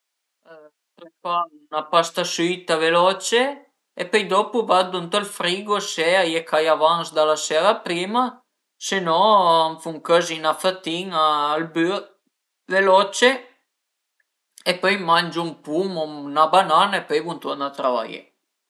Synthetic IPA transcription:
pøjfa | napast̪asit̪avelɔt͡ʃe | epœjd̪ɔpuvad̪unt̪ɔlfɾiːɡoseajekʰajavansd̪alasɛɾapɾiːma | senɔaɱfuŋkøzinafat̪iŋaːlby | velɔt͡ʃe | epœjmand͡ʒumpumunabananaepœjvunt̪ɔnat̪ɾava̰jḛ

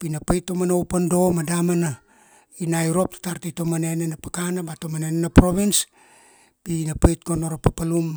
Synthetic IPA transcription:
pinapajtːomanowpando̞madamana | inajɾo̞p̚tḁtaɾtito̞manenenapakanabato̞manenenapɾo̞βins | pinapajtɡonoɾopapalum

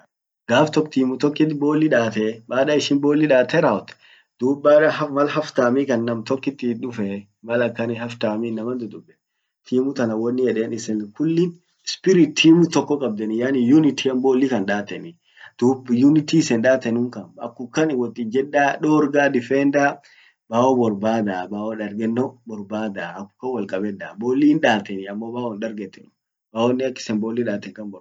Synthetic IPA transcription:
ɡ̥aːft̪ɔkt̪iːmʊt̪ɔkːɪt̪boːlːɪᶑaːt̪ɛmaːᶑaɪʃɪnboːlːɪᶑaːt̪ɛɾaɔt̪ | d̪̥uːbːaːᶑɐɦɐmɐlhɐft̪aːmikɐnːɐmt̪ɔkːɪt̪ːɪᶑʊfɛ | mɐlɐkːɐnɪhɐft̪aːmiːnːɐmɐnd̪ʊd̪ʊbːɛ̥ | t̪ʰiːmʊt̪ɐnɐwɔnːɪjɛᶑeːnɪsɛnkʊlːɪn | spɪɾɪt̪ʰːiːmʊt̪ɔkːɔkʼɐb̚d̪ɛnɪjanɪjunɪt̪ʰiɐmboːlːɪkɐnᶑaːt̪ːɛnɪ | d̪̥uːbjʊnɪt̪isɛnᶑaːt̪ɛnʊŋkɐnɐkːʊkːɐnɪwɔt̪ːɪd͡ʒɛᶑːaːᶑoːɾɡaːd̪ɪfɛnd̪a | baːwɔbɔɾbaːd̪abaːwɔᶑɐɾɡɛnːɔbɔɾbaːd̪aɐkːʊ̥kːɐwɐlkʼɐbɛd̪aːboːlːiːnᶑaːt̪ɛnɪɐmːɔbaːwɔnᶑɐɾɡɛt̪ːɛn | baːwɔnːɪɐkːɪ̥sɛnbolːiᶑaːt̪ːɛŋkɐnbɔ

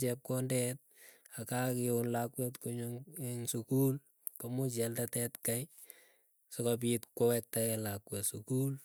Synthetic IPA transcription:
t͡ʃɛp̚kɔndɛt̚akakɪonlakwɛtkuɲʊŋeŋsukul | kamut͡ʃɛltatɛtkaj | sɔkap̬itkɔwɛk̚takɛlakwɛsukul

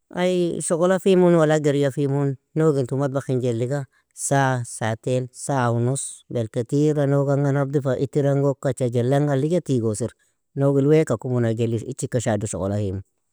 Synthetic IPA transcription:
a̰jʃokolafimunwalaɡeɾjafimunːoɡintumat̚baxiɲd͡ʒelːiɡa | sasatelsaunus | belketiɾanoɡaŋɡanab̚difaʔitiɾaŋɡokːat͡ʃad͡ʒelaŋɡaliɡatiɡosiɾ | noɡilwekakumunaɡeliḭt͡ʃikaʃaduʃo̰ko̰lahimu

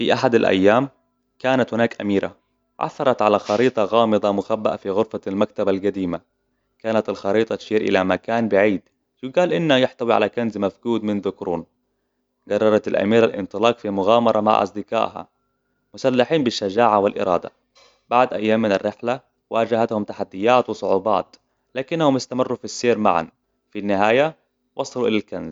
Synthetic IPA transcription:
fiʔaħad̪alʔa̰jːaːm | kaːnat̪hʊnaːkʔamiːɾʔa̰ | ʕa̰θːɑɾˤɑt̪ʕalaxɑɾiːt̪ˤɑɣɑːmɨd̪ˤɑmʊxabːaʔafiɣʊɾfalmak̚t̪abalɡad̪iːma | kaːnat̪alxɑɾiːt̪ˤɑt̪ʃiːɾʔɪ̰lamakaːnbɪʕiːd̪ | ʃuɡaːlʔɪnːajɪħt̪awiʕa̰lakanzmafɡuːd̪mɪnðʊkɾuːn | ɡɑrˤːɑɾˤɑt̪alʔa̰miːɾalʔɪ̰nt̪ˤɨlɑːkfimʊɣaːmɑɾˤɑma̰ʕʔɑ̰sˤd̪ɪka̰ːʔha̰ | mʊsalːaħiːmbɪʃːad͡ʒaːʕawɪlʔɪ̰ɾˤɑ̰ːd̪a̰ | b̥aʕd̪ʔajːaːmːɪnarːɪħla | waːd͡ʒahat̪hʊmt̪aħad̪ːɪjːaːt̪wɨsˤʊʕuːbɑ̰ːt̪ | laːkɪnːahʊmɪst̪amɪrːufisːeːɾma̰ʕa̰n | finːɪɦaːja | wʔɑsˤɑluʔɪlalkanz

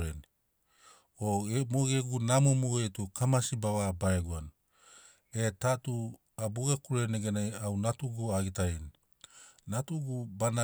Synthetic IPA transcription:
ɾen | omoɡeɡunamomoetukʰamasibaβabaɾeɡuan | etatu | aboɡakuɾeneɡenajawnatuɡuaɡitaini | natuɡubana

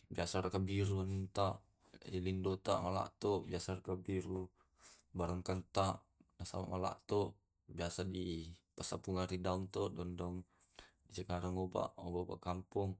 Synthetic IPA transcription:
biasaɾakabiɾuannt̪aʔ | ilindot̪aʔmala̰ʔt̪ɔbiasaɾakabiɾu | baɾaŋkant̪aʔ | nasa̰ma̰ʔmala̰ʔt̪ɔʔ | biasadipasapuŋaɾidauŋt̪ɔdɔndɔŋ | disəkaɾaŋoba̰ʔobaba̰ʔkampuŋ

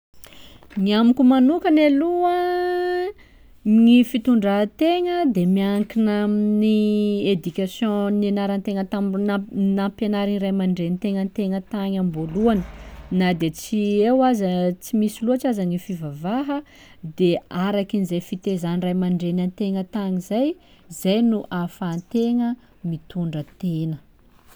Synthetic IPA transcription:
ŋiamikʲumanukənaluə | ŋifit̪uɳɖ͡ʐət̪eŋəd̪emiaŋkinaminied̪ykʲasjɔ̃nenaɾant̪eŋət̪amnnapenaɾinirajmaɳɖ͡ʐenit̪eŋənt̪eŋət̪aɲamboluanənad̪et͡siewazət͡simisiluat͡ʃazanifivavaɦə | d̪eaɾakinizajfit̪ezanirajmaɳɖ͡ʐenant̪eŋət̪aŋizaj | zajnuʔafant̪eŋə | mit̪uɳɖ͡ʐət̪enə

